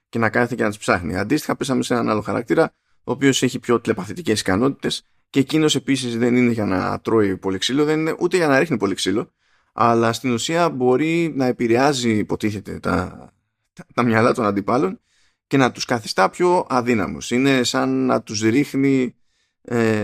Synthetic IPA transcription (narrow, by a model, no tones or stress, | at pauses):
ce̞nɐkɐθicenɐt̪u̥spsɐxnḭɐ̰nd̪ist̪i̥xɐpesɐmese̞nɐnɐlo̞xɐɾɐ̰kt̪iɾɐ | o̞ːpio̞se̞çipço̞t̪le̞pɐθit̪ice̞si̥kɐno̞t̪i̥t̪e̞s | ceːcino̞se̞pisizðe̞nine̞ʝɐnɐ̰t̪ɾo̞ipo̞liksilo̞ðe̞nine̞ʔut̪e̞ʝɐnɐɾixnipo̞liksilo̞ | ɐ̰lɐst̪inusiɐbo̞ɾinɐe̞piɾe̞ɐzipo̞t̪iθe̞t̪e̞̰t̪ɐ̰ | t̪ɐmɲɐlɐt̪o̞nɐnd̪ipɐlo̞n | ce̞nɐt̪uskɐθist̪ɐpço̞ɐðinɐ̰mṵsine̞sɐnːɐ̰t̪uzɾixni | e